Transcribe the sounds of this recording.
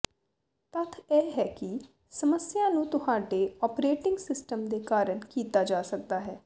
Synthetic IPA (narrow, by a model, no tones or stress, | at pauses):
t̪ət̪ʰɛːɦɛːkɪ | səməsjãːnũːt̪ʊɦaːɖeːɔːpɾeːʈɪŋɡsɪsʈəmd̪eːkaːɾəɳkiːt̪aːd͡ʒaːsək̚d̪aːɦɛː